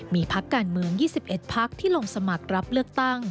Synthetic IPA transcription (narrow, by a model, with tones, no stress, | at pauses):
miː˧pʰa˦˥kːaː˧nmɯ˧əŋjiː˥˩si˨˩p̚ʔe˨˩t̪̚pʰa˦˥k̚t̪ʰiː˥˩lo˧ŋsa˧ma˨˩k̚ɾa˦˥p̚lɯ˥˩ək̚t̪a˥˩ŋ